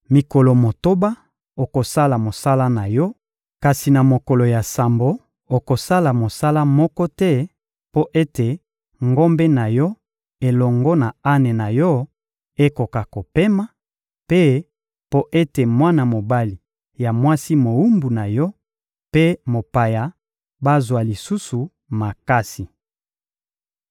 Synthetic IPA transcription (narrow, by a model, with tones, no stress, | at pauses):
mi˨ko˨lo˨mo˨to˦ba˦ | o˨ko˨sa˦la˨mo˨sa˦la˦na˨jɔ˦ | ka˨si˨na˨mo˨ko˨lo˨ja˨sa˨mbo˨ | o˨ko˨sa˦la˨mo˨sa˦la˦mɔ˦kɔ˦tɛ˦ | po˦ʔe˦te˨ | ŋɡo˦mbe˦na˨jɔ˦ | e˨lɔ˨ŋɡɔ˦na˨a˦ne˨na˨jɔ˦ | e˦ko˨ka˨ko˨pe˦ma˦ | pe˦ | po˦ʔe˦te˨mwa˦na˨mo˨ba˦li˨ | ja˨mwa˦si˦mo˨u˦mbu˨na˨jɔ˦ | pe˦mo˨pa˨ja˨ | ba˦zwa˨li˨su˦su˨ | ma˨ka˦si˨